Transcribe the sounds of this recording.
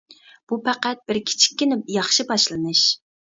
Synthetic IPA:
b̥upʰæqæt̪̚b̥ɪɾkʲʰi̥t͡ʃʰi̥kʲːɪnɪjɑχʃɪbɑʃlˠɨnɨʃ

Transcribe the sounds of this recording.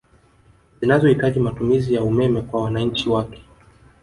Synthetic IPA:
zinazɔhitaʄimatumizijaumɛmɛkwawanaɲ̩t͡ʃiwakɛ̥

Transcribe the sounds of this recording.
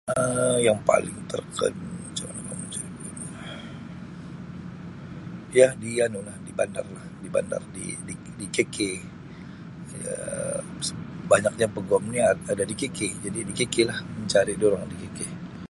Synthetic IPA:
əjaŋpa̰lɪŋt̪ʰə̰rkʰə̰nt͡ʃama̰naka̰mət͡ʃaɾianulah | jadianulahdibanda̰rlahdiba̰nda̰rdḭdi | dikekʰe | a̰ | səbaɲak̚ɲapəɡɔmniaadadikeked͡ʒadidikekelahməɲt͡ʃaɾɪdioɾaŋdikeke

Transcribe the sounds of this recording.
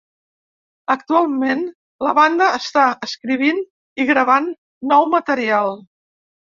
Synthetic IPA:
ək̚t̪ualˠmen | ləβand̪əːst̪aəskɾiβ̞in | iɣɾəβ̞anː | ɔwmət̪əɾialˠ

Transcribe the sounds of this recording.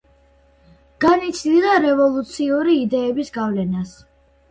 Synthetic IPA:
ɡ̥anit̪sʰd̪ilˠaɾɛvɔlˠut̪sʰiuɾiːd̪ɛːbisɡavlɛnas

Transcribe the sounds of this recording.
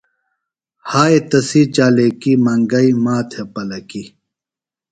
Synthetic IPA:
haːet̪ɐsit͡ɕaːleːkimɐŋɡɐimaːt̪ʰepɐlɐki

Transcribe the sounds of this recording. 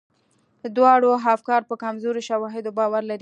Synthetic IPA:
əd̪wɑɽoɦafkɑɾpəkamzoɾoʃawɑɦɪd̪obɑwaɾlaɾi

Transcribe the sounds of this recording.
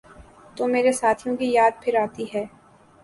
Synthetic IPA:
t̪oːmeːɾesaːt̪ʰijõkijaːd̪̚pʰɪɾaːt̪iɦɛː

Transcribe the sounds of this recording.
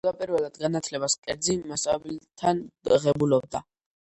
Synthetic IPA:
lˠapʼiɾvɛlˠad̪̥ɡanat̪ʰlɛbaskʼɛɾd̪zimasʼabt̪ʰanʁɛbulɔb̚d̪a

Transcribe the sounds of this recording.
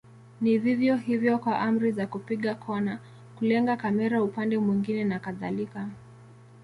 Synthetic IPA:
niðivjɔhivjɔkwaʔam̩ɾizakupiɠakʰɔna | kulɛŋɡakamɛɾaupandɛmwiŋɡinɛnakaða̰lika

